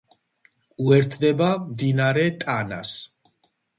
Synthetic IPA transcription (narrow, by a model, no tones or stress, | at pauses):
uɛɾt̪ʰd̪ɛbamd̪inaɾɛt̪ʼana̰s